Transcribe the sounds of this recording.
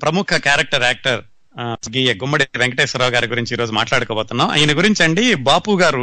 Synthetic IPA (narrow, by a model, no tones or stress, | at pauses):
pɾɐmukʰɐkaːɾɐk̚ʈɐɾaːk̚ʈɐɾ | ɡiːjɐɡumbɐɽiʋeŋkɐʈeːsɐɾaːɡaːɾiɡuɾiɲt͡ʃiːɾo̞ːd͡ʒumaːʈlaːɽukɔːbɔːt̪unːaa̰ːjɐnɐɡuɾiɲt͡ʃɐɳɖibaːpuːɡaːɾu